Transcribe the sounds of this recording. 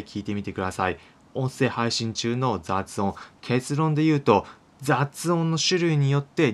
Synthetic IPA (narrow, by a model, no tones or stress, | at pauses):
ikʲʰiːt̪e̞mʲit̪e̞kɯ̟d̪asai | õ̞ɰ̃se̞ːhaiɕĩɲ̟t͡ɕɨːno̞zat͡sɨõŋkʰe̞t͡sɨɾõ̞nd̪e̞jɯ̟ːt̪o̞ | d͡zat͡sɨõ̞nːo̞ɕɨɾɯ̟iɲ̟ijo̞t̪ːe̞